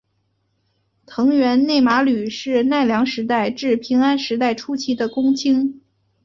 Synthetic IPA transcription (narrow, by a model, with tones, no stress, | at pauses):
t̪ʰɤ˧˥ŋɥɛ˧˥nne˥˩ɪma˧˥ly˨˩ʂɻ̩˥˧na˥˩ɪljɑ˧˥ŋʂɻ̩˧˥t̪a˥˧ɪʈ͡ʂɻ̩˥˩pʰi˧˥ŋa˥nʂɻ̩˧˥t̪a˥˩ɪʈ͡ʂʰu˥t͡ɕʰi˧˥d̪ə˧kʊ˥ŋt͡ɕʰi˥ŋ